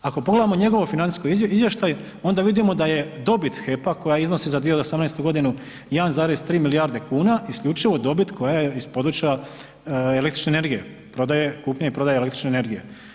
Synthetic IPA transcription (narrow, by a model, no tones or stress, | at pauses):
ako̞poɡle̞d̪amo̞ɲe̞ɡo̞ʋofinant̪iskojizʋje̞ʃt̪aj | o̞nd̪aʋid̪imo̞d̪aje̞d̪o̞bit̪xe̞pako̞jaizno̞sizad̪ʋijosamnɛjst̪uɡo̞d̪inu | janzaːɾezt̪ɾiːmiliaɾd̪e̞kuːnaiskʎʲut͡ʃiʋo̞d̪o̞bit̪kʰo̞jajeispo̞d̪ɾut͡ʃia | ele̞kt̪ɾit͡ʃʃnene̞ɾɡije | pɾo̞d̪aje̞kuːpɲaipɾo̞d̪ajele̞kt̪ɾi̥t͡ʃnene̞ɾɡije